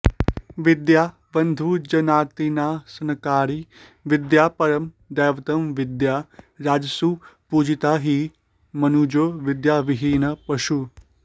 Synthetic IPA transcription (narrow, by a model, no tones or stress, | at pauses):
ʋɪd̪jaː | bənd̪ʱud͡ʒɐnaːt̪inaːsɐnkaːɾi | ʋɪd̪jaːpɐɾəm | d̪ɛːʋt̪əmʋɪd̪jaːɾaːd͡ʒsupuːd͡ʒɪt̪aːɦiː | mɐnud͡ʒoːʋɪd̪jaːʋɪɦiːnɐpɐʃu